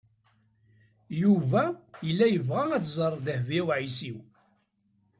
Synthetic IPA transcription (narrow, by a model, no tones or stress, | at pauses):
juvæjəlːæjəvʁææt͡szˤərˤðəhviwʕisiw